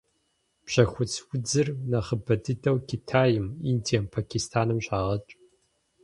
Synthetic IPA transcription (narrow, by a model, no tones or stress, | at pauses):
pɕɐxʷʊt͡sʰwʊd͡zɨrnɐχəbɐdɨdɐwkʰʲitʰaːjɪmindijɐmpʰakʰʲistʰaːnɨmɕʼaːʁɐt͡ʃʼ